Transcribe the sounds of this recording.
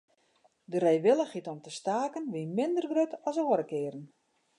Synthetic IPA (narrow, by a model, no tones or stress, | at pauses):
dərejʋɪləχitɔmtəstaːkənʋimɪndərɡrøtʰɔsoəɾəkɪːɾən